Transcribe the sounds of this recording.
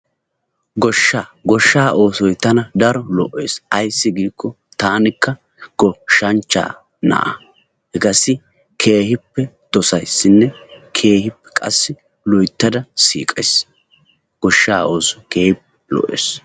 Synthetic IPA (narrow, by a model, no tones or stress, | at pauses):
ɡɔʃːaːɡɔʃːaːʔo̞ːsɔjt̪ɐnɐd̪ɐɾɔlɔ̰ʔːe̞̰ːsɐjsːɪɡiːkːɔ | t̪aːnɪkːɐ | ɡ̥ɔʃɐnt͡ʃːa̰ː | nɐ̰ʔɐ̰ | hɛɡɐsɪ | kʰe̞ːhɪpːɛ | d̪̥ɔsɐjsːɪnːɛkʰe̞ːhɪpːɛ̥kʼɐ̰sːɪ | lɔjt̪ːɐd̪ɐsḭːkʼɐs | ɡ̥ɔʃːaːo̞ːsɔ̥jkeːhɪpːɛlɔ̰ʔḛːs